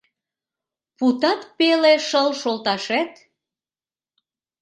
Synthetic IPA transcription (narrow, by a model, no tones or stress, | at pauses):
put̪ɑt̪peleʃəlʃolt̪ɑʃæt̪